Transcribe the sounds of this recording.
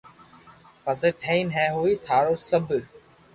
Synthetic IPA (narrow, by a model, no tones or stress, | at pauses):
pəseːʈʰẽːiːnɦɛ̃ːɦuːiːt̪ʰaːɽoːsəbʱ